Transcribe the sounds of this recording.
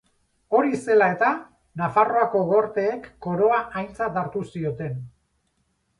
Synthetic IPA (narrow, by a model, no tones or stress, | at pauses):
o̞ɾise̞lae̞t̪a | nafaro̞ako̞ɣo̞ɾt̪e̞ːkːo̞ɾo̞aʔajnt͡sat̪aɾt̪usio̞t̪e̞n